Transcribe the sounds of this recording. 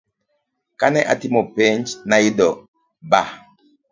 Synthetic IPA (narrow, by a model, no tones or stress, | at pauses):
kanɛʔa̰timɔpɛnt͡ʃnaidɔ | ba